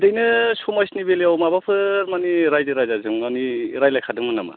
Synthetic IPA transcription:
dɯjnɯsumajsnibeliawmabapʰɯɾmaniɾajdɯɾajzazɯŋmaniɾajlajkʰadɯŋmɯnama̰

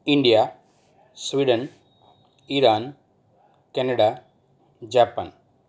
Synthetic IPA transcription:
iɳɖijaː | sʋiɖɐn | iɾaːn | kɛnɐɽaː | d͡ʒaːpːa̰ːn

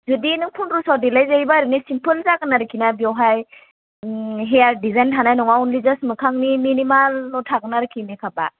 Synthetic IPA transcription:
zudinɯŋpʰunɾusawdilajzajbaɾɯnisimpʰɯlzaɡɯnaɾɯkʰinabiɔwɦaj | ɦejaɾdizajntʰanajnɔŋaunlizasmɯkʰaŋniminimalnɔtʰaɡɯnaɾɯkʰinikʰaba̰

